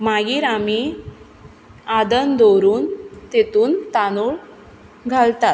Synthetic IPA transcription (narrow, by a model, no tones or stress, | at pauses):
maɡiːɾami | ad̪ənd̪oɾuːnt̪et̪uːnt̪anuɭ | ɡʱalt̪at̪̚